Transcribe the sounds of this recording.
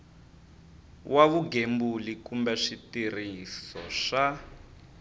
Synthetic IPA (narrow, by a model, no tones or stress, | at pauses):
waβuɡembulikumbɛʂitirisɔ̰ʂa